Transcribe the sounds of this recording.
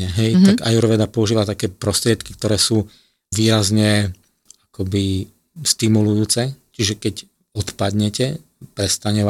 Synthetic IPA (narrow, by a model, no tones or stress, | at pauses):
ɛɦɛjt̪aɡajuɾɔʋɛd̪apɔuʒiːʋat̪akɛːpɾɔst̪ɾɪɛt̪ki̥kt̪ɔɾɛːsuː | ʋiːɾazɲɛ | akɔbi | st̪imulujuːt͡sɛt͡ʃiʒɛkɛc | ɔt̪pad̪ɲɛcɛ | pɾɛst̪aɲɛ